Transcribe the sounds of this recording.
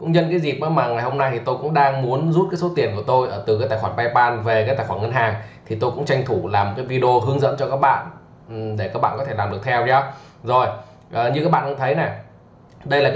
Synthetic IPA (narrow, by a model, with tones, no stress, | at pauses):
kʊ̰˧˥ŋ͡mɲə̰˧nkaː˨˦jzi˨˩p̚ʔaː˨˦maː˨˩ŋa˨˩jho˧mna˧jt̪ʰi˨˩t̪o˧jkʊ̰˧˥ŋ͡mɗaː˧ŋmu˨˦ənzu˦˥t̚kaː˨˦jso˨˦t̪i˨˩ənku˧˩ət̪o˧jʔəː˧˩t̪ɨ˨˩kaː˨˦˥t̪aː˨˩jxwaː˧˩nɓa˧jpaː˧nve˨˩kaː˨˦jt̪aː˧˨˩xwaː˧˩nŋə˧nɦaː˨˩ŋt̪ʰi˨˩t̪o˧jkʊ̰˧˥ŋ͡mt͡ɕa˧jŋ̟t̪ʰu˧˩laː˨˩m̚˨˩kaː˨˦vi˧ɗə˧o˧ɦɨ˨˦əŋzə̰˧˥nt͡ɕɔ˧kaː˦˥k̚ɓa̰ː˧˨n˨ | ɗe˧˩kaː˦˥k̚ɓ̰ːkɔ˨˦t̪ʰe˧˩laː˨˩mɗɨ˨˩ək̚t̪ʰɛ˧wt͡ɕɔ˨˦ | zo˨˩j | ʔəː˨˩ɲɨ˧kaː˦˥k̚ɓa̰ː˧˨ʔə˧ŋ͡mt̪ʰə˨˦jnɛ˨˩ | ɗə˧jlaː˨˩